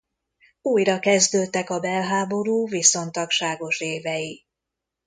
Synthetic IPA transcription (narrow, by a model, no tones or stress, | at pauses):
uːjɾɒkɛzd̪øːt̪ːɛkɒbɛlɦaːbo̞ɾuːviso̞nt̪ɒkʃaːɡo̞ʃeːvɛji